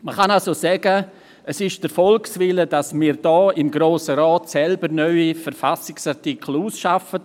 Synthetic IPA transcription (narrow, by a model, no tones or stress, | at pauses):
məχanalsosɛɡə | əsɪʃd̥əɾfɔlksvɪlədasmiːɾd̥ɔːɪmɡɾoːsəɾɔːtsɛlbəɾnœʏifəɾfasɪksartikʰl̩uːsʃafət